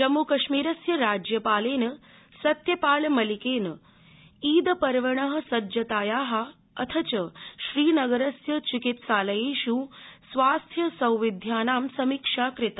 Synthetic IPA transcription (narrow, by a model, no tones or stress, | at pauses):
d͡ʒɐmːukɐʃmiːɾɐsjɐɾaːd͡ʒjɐpaːleːnɐ | sɐt̪jɐpaːlmɐlikeːn | iːd̪ɐpɐɾʋɐɳɐɦɐ̆sɐd͡ʒɐt̪aːjaːɦɐ | ɐt̪ʰɐt͡ʃɐʃɾiːnɐɡɐɾɐsjɐt͡ʃikit̪ʃaːlɐjeːʃuːsʋaːst̪ʰjɐsɐ̃wʋid̪ʱjaːnaːmsɐmikʂaːkɾɪt̪a